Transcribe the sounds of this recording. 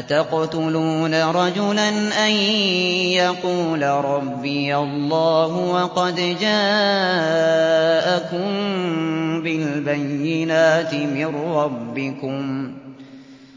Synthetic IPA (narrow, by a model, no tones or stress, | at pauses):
at̪aqt̪ʊluːnaɾˤɑd͡ʒʊlanʔanjɑquːlaɾˤɑbːɪjalˤːɑːɦʊwɑqɑd̪d͡ʒaː | ʔakʊm | bɪlbajːɪnaːt̪ɪmɪrɑbːɪkʊm